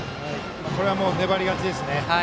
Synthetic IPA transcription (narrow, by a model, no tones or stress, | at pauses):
mako̞ɾe̞βamo̞ːne̞baɾʲiɡat͡ɕid̪e̞sɨne̞